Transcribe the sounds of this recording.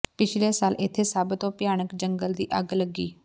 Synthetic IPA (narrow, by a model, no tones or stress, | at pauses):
pɪt͡ʃʰleːsaːlʔɪt̪ʰːeːsəbt̪õːpjaːnəkd͡ʒəŋɡəld̪iːʔəɡləɡiː